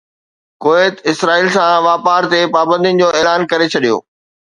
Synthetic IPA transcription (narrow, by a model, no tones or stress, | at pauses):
koːeːt̪ɪsɾaːiːlsãʋaːpaːɾt̪epaːbə̃nd̪ijnɪ̆d͡ʑoːeːlaːnkɐɾet͡ɕʰɐɗijo̰ː